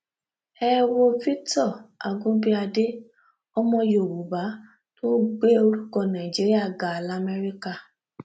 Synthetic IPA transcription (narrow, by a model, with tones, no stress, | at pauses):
ɛ˦wo˧fi˦tɔ˦˨a˧ɡũ˦bi˦a˧de˦ | ɔ˦mɔ̃˧jo˨ɾu˨ba˨˦ | to˦ɡ͡be˦o˧ɾu˦kɔ˧˨nã˨ĩ˨d͡ʒi˨˦ɾi˦a˦˨ɡa˨la˦˨mɛ˦ɾi˦ka˦˧